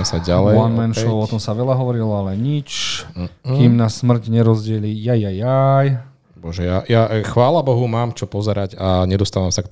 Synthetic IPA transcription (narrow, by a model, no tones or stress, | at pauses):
saɟalɛanmɛnʃɔɔt̪ɔmsaʋɛlaɦɔʋɔɾilɔalɛɲit͡ʃ | kimnasmr̩cɲɛɾɔzɟɪɛlijajajaj | bɔʒɛjajaxʋaːlabɔɦumaːmt͡ʃɔpɔzɛɾaɟaɲɛd̪ɔst̪aːʋamsakt̪